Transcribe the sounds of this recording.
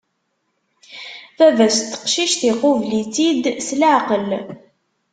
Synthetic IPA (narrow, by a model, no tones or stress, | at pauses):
θævæst̪ːə̥qʃiʃθiqovlit͡sid̪slaʕqəl